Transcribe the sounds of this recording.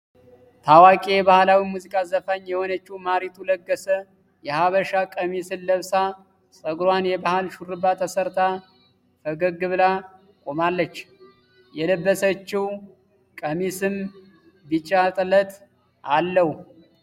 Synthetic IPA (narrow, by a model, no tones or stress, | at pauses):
t̪ʰawakʼejɛβahlawimuzikʼazəfəɲːjɛhonət͡ʃːiwmaɾit̪ʰuləɡːəsə | jɛhaβəʃakʼəmisɨnləβsa | sʼəɡɾwanjɛbahalʃurɨbat̪ʰəsəɾt̪ʰa | fəɡəɡɨβla | kʼo̞malːət͡ʃː | jɛləbːəsət͡ʃːɪw | kʼəmisɨm | bɨt͡ʃʼːat̪ʼələt̪ | alːəhu